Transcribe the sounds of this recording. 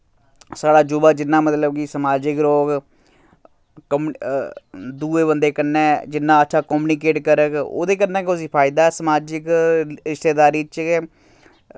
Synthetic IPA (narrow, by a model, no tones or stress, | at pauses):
saːɽaːd͡ʒʊbaːd͡ʒɪnːãːmət̪ləbkiːsəmaːd͡ʒɪkɾoːɡ | kəm | d̪uːeːbənd̪eːkənːɛ̃ːd͡ʒɪnːãːətːʃʰaːkɔːmnikeːʈkəɾəko̰ːd̪eːkənːɛ̃ːkʊsiːpʰaːɪd̪aːsəmaːd͡ʒɪkɾɪʃt̪eːd̪aːɾiːt͡ʃː